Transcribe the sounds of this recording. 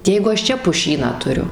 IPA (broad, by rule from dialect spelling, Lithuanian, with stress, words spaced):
ˈjɛɪɡʊ ɐʃ ˈt͡ʃʲɛ pʊˈʃʲiːnɑː tʊˈrʲʊ